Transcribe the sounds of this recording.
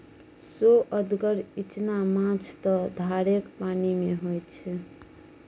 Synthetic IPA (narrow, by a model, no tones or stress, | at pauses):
soʔəd̪ɡəɾit͡ʃnamãt͡ʃʰt̪ɔd̪ʱaɾekpanimeɦojt͡ʃʰɛ